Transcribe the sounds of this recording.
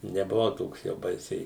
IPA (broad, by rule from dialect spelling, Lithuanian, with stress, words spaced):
nʲɛbʊˈʋɐʊ ˈtoːks jɛʊ ˈbɐɪsʲɛɪ